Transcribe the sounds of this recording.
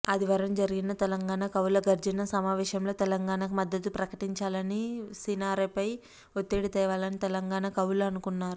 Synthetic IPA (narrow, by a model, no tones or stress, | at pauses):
ɐd̪iʋɐɾɐmd͡ʒɐɾiɡinɐt̪ɛlɐŋɡaːɳɐkɐwlɐɡɐɾd͡ʒɐnɐsɐmaːʋɛːʃɐmlo̞ːt̪ɛlɐŋɡaːɳakumɐd̪ːɐd̪upɾɐkɐʈiɲt͡ʃaːlɐnisinaːɾepɐj | ot̪ːeːɽit̪ɛːʋaːlɐnit̪ɛlɐŋɡaːnɐkɐwlɐɐnukunːaːɾu